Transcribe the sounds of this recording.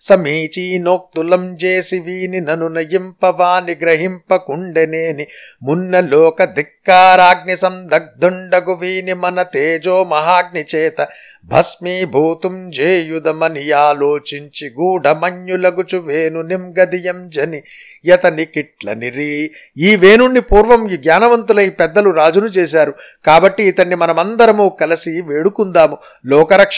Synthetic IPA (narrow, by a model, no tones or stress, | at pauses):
sɐmiːt͡ʃiːnoːk̚t̪ulɐmd͡ʒeːsiʋiːninɐnunɐjimpɐʋaːniɡɾɐɦimpɐkuɳɖeneːnimunːɐloːkɐd̪ʱikːaːɾaːɡ̚nisɐmd̪ɐɡ̚d̪ʱuɳɖɐɡuʋiːnimɐnɐt̪eːd͡ʒoːmɐɦaːɡ̚nit͡ʃeːt̪ɐ | bʱɐsmiːbʱuːt̪umd͡ʒeːjud̪ɐmɐnijaːloːt͡ʃiɲt͡ʃiɡuːɖʱɐmɐɲjulɐɡut͡ʃuʋeːnunimɡɐd̪ijɐmd͡ʒɐni | jɐt̪ɐnikiʈlɐ̰niɾi | iːʋeːnuɳːipuːɾʋɐmɡɲaːnɐʋɐnt̪ulɐjpɛd̪ːɐluɾaːd͡ʒunut͡ʃeːs̬aːɾu | kaːbɐʈːiːt̪ɐɳːimɐnɐmɐnd̪ɐɾɐmuːkɐlɐsiʋeːɽukund̪aːmu | lɔːkɐɾɐkʂ